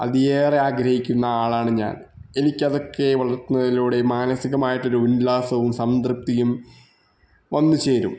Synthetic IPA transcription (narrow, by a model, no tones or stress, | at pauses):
ɐ̰ðieːreaːɡɾɐhikʲːunːɐaːɭaːɳɨɲa̰ːne̞nikʲːɐðo̞kːe̞ʋɐɭɐrt̪unːɐðiluːɽe̞maːnɐsiɣɐmaːjiʈːo̞ɾuunlaːsɐʋumsɐmd̪rɨp̚t̪ijum | ʋɐnːut͡ɕe̞ːɾṵm